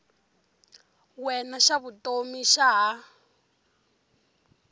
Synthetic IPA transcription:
wɛnaʃaβutʼomiʃaɦa

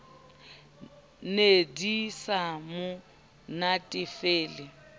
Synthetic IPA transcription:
nedisamʊ | natʼɪfeːlɪ

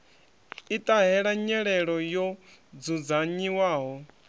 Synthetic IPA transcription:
it̪ʼaɦɛɺaɲɛɺɛɺɔjɔd͡zud͡zaɲiwaːɦɔ

